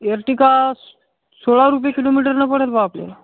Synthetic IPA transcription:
eɾʈika | soɭaɾup̬jekilomiʈəɾnəpəɽəlpaaplḛ

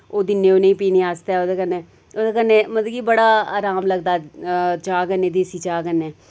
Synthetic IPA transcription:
oːd̪ɪnːẽːoːneĩːpiːneːaːst̪aɛːoːd̪eːkəneː | oːd̪ekənːẽːməd̪ɡiːbəɽaːa̰ːɾaːmləɡ̚d̪aːt͡ʃaːɡənːẽːd̪eːsiːt͡ʃaːɡəneː

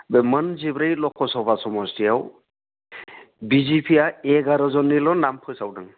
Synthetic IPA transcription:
bemənzibɾajlɔkʰːɔsɔbasɔmɔstijaw | bizipʰijaɛɡaɾazɔnːilɔnampʰɯjsawdɯŋ

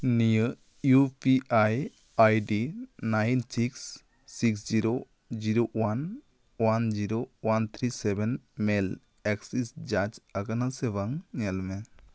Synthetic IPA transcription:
nijə | jupiaj | ajɖinajnsiksː | iksd͡ʒiɾo | d͡ʒiɾowan | wand͡ʒiɾowant̪ʰɾisɛbɛnmɛl | ɛksisd͡ʒat͡ʃaɡanasɛbaŋɲɛlmɛ

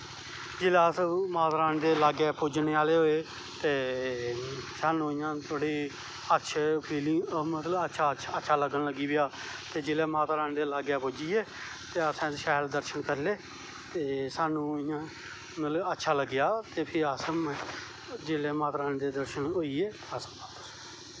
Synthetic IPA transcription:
d͡ʒɪlaːsmaːt̪ɾaːnd̪eːlaːɡɛːpʊd͡ʒneːaːleːɦoːeː | t̪eː | saːnːũːɪjãːt̪ʰoɽiː | ətːʃʰeːpʰiːlĩːmət̪ləətːʃʰaːətːʃʰaːləɡənləɡiːbɪaː | t̪eːd͡ʒɪleːmaːt̪ːɾaːnːd̪eːlaːɡɛːpʊd͡ʒiːeː | t̪eːəsãːʃaːjld̪əɾʃənkəɾleː | t̪eːsaːnːũːɪjãː | mət̪ləbətːʃʰaːləɡːɪjaːt̪eːpʰɪəsəm | d͡ʒeːleːmaːt̪ɾaːnd̪eːd̪əɾʃənɦoiːeː | əsəmaːt̪ːs

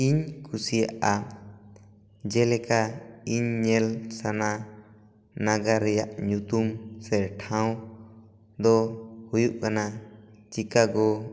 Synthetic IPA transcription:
iɲkʰusijaʔa | d͡ʒɛlɛkaiɲːɛlsana | naɡaɾɛjaʔɲut̪umsɛɾʈʰãw̃ | d̪ɔhujuʔkanat͡ʃikaɡɔ

